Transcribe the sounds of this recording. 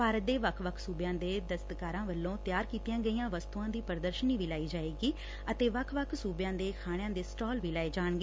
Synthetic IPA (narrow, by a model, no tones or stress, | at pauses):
paːɾət̪̚d̪eːʋəkʰʋəkʰsuːbjãːd̪eːd̪əst̪kaːɾãːʋəlːõːt̪jaːɾkiːt̪ijãːɡəijãːʋəst̪uãːd̪iːpəɾd̪əɾʃəniːʋiːlaːiːd͡ʒaːeːɡiː | ət̪eːʋəkʰʋəkʰsuːbɪjãːd̪eːkʰaːɽ̃jãːd̪eːsʈɔːlʋiːlaːeːd͡ʒaːɳɡeː